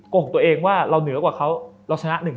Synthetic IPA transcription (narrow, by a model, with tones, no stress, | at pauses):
ko˨˩ŋ̚t̪u˧əʔeː˧ŋwaː˥˩ɾa˧wnɯ˩˦ɐkwaː˨˩kʰa˦˥wɾa˧wt͡ɕʰa˧na˦˥ʔnɯ˨˩ŋ